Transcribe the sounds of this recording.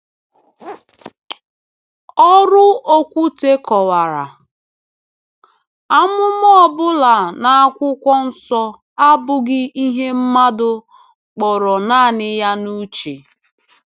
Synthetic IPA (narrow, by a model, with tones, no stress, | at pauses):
ɔ˦ɾʊ˦o˦kʷu˦te˦kʰɔ˨wa˨ɾa̰˨ | a˦mʊ˦m˦ɔ˦˨bʊ˦la˨na˨a˦kʷʊ˦kʷɔ˦n̩˦sɔ˦ | a˦bʊ˨ɡɪ˦i˦ɦe˦m̩˦ma˦dʊ˨ | k͡pɔ˨ɾɔ˨na˦˨nɪ˦ja˦nu˦t͡ʃe˨